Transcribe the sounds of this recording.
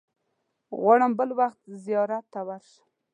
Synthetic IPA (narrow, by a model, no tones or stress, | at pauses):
ɣwaɽəmbəlwaxt̪zijɑɾat̪ːawaɾʃə̥